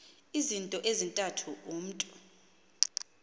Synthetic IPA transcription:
izintʼɔʔezintʼatʰuʔum̩tʼu

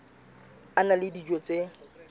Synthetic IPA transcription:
analɪdid͡ʒot͡sʼe

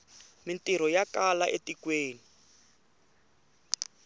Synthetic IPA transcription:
mintiɾ̤ɔjakalaʔetikweːni

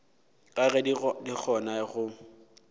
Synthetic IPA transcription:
kʼaɣɛdik͡xʰɔnaɣʊ

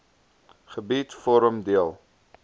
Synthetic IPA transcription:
χəbitfɔɾəmdiəlˠ

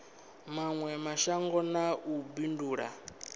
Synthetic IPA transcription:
maŋwɛmaʃaŋɡɔnaʔubinduːɺa̰

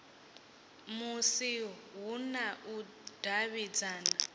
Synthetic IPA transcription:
musiɦunaʔu | d̥aβid͡zaːna

